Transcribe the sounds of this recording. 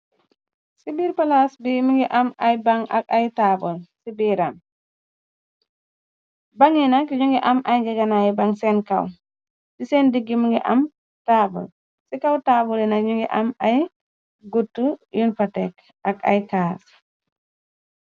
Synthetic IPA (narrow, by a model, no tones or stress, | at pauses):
sibiɾpalasbimiŋɡɛʔamajbaŋa̰kajtabɔlsibiɾam | baŋinakiɲuŋɡɛʔamajɡɛɡanajbaŋsɛnka̰w | sisɛndiɡːimiŋɡɛ̰ʔam | taːbɔ̰l | sikawtabɔlɛnakɲuŋɡɛ̰ʔamaj | ɡutːujunfatɛk | aka̰jkas